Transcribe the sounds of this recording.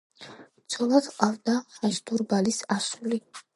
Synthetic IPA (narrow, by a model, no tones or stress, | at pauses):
sʰɔlˠat̪ʰqʼavd̪aχɛsd̪̥uɾbalisasuli